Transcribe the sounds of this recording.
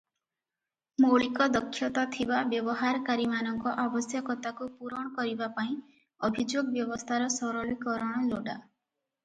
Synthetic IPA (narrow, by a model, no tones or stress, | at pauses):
moɭikɔd̪ɔkʰːjɔt̪at̪ʰibabjɔbɔɦaɾɔkaɾimanɔŋkɔʔabɔsjɔkɔt̪akupuɾɔɽ̃ɔkɔɾibapaĩ | ɔbʱid͡ʒoɡɔbjɔbɔst̪ʰaɾɔsɔɾɔlikɔɾɔɽ̃ɔloɖa